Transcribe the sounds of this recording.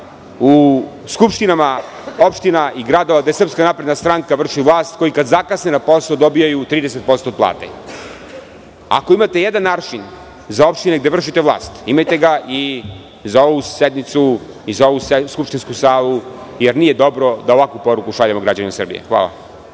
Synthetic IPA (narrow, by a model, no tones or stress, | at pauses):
u | skupʃt̪inama | o̞pʃt̪inaʔiɡɾad̪o̞ʋad̪ajesr̩pskanapɾe̞d̪nast̪ɾaŋkaʋr̩ʃiʋlˠaːst̪ko̞jikad̪zakasnenapo̞sod̪o̞bijajut̪ɾiːd̪eset̪̚post̪od̪plˠa̰ːt̪ḛ | a̰ko̞imat̪e̞jed̪anːaːt͡ʃin | zao̞pʃt̪ineɡd̪e̞ʋr̩ʃit̪e̞ʋlˠa̰ːst̪imajt̪e̞ɡaʔi | zao̞ʋused̪mit̪su | izao̞ʋuseskupʃt̪inskusaːlˠujeɾnije̞d̪o̞bɾo̞d̪aoʋakʋupo̞ɾukuʃaʎamoɡɾad͡ʑanimasr̩bḭjḛxʋa̰ːlˠa̰